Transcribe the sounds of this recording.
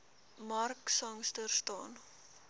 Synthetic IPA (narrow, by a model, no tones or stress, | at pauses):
mɐrksɐŋstərstɑːn